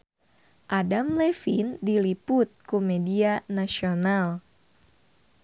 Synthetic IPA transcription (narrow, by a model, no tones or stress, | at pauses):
ʔadamlɛfindilipʊt̪̚kumɛdianasional